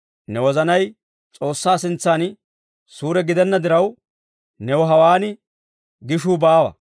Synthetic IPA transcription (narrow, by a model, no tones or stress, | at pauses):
nɛwɔzɐnɐj | t͡sʼo̞ːsːaːsɪnt͡sːaːn | suːɾɛɡɪd̪ɛnːɐd̪ɪɾɐw | nɛwɔɦɐwaːnɪ | ɡɪʃuːbaːwɐ̰